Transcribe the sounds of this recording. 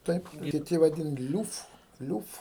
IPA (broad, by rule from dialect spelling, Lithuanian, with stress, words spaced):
ˈtɐɪp kʲɪˈtʲɪ ʋɐˈdʲɪn ˈlʲuːf ˈlʲuːf